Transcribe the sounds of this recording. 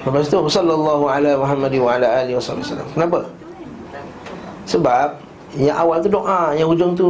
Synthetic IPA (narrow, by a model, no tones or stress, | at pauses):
mapas̬it̪uwsɔlːalˤːɑɦualamuɦamːadɪnwaalaʔaːliwasˤɑbiwasa̰lːa̰mkənap̬a | səbap̚ | jaŋʔawalt̪udoʔãjaŋud͡ʒʊŋt̪u